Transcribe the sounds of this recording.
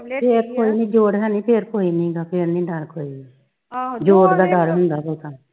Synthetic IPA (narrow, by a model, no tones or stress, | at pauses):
pʰeːɾkoːiːnĩːd͡ʒoːɽɦɛːnĩːpʰeːɾkoːiːnĩːɡaːpʰeːɾnĩːɖəɽkoːiː | d͡ʒoːɽd̪aːɖəɾɦʊnd̪aːbəːt̪aː